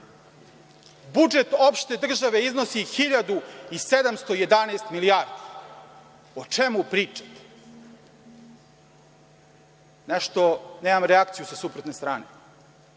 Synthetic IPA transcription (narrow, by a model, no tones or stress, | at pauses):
bud͡ʒe̞t̪o̞pʃt̪e̞d̪r̩ʒaʋe̞izno̞sixiʎad̪uised̪amst̪oje̞d̪aneːst̪miliaːɾd̪i | ot͡ʃemupɾiːt͡ʂḁt̪e̥ | neʃt̪o̞neːmamɾeakt̪sijusasupɾot̪nest̪ɾaːne